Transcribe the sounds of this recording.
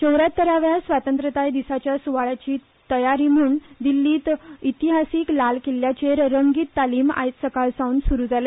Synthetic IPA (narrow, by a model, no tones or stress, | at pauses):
d͡ʑəwɾat̪ːəɾaʋjasʋat̪ə̃nt̪ɾət̪ajd̪isat͡ɕjasuʋaɭat͡ɕiː | t̪əjaɾiːm̤uːnd̪ilːiːt̪it̪iɦasiːklalkilːjat͡ɕeɾɾəŋɡiːt̪ːaliːma̰jt̪səkalsawnsuɾuːd͡zale